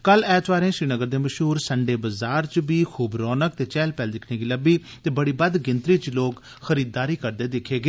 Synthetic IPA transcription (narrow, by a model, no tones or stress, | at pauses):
kəlɛːt̪ʋaːɾẽːʃɾiːnəɡəɾd̪eːməʃɦuːɾsəɳɖeːbəzaːɾt͡ʃbiːxʰuːbɾɔːnək̚t̪eːt͡ʃɛːlpɛːld̪ɪkʰneːɡiːləbiːt̪eːbəɽiːbəd̪ɡɪnt̪ɾiːt͡ʃloːk | xəɾiːd̪̚ːaːɾiːkəɾd̪eːd̪ɪkʰːeːɡeː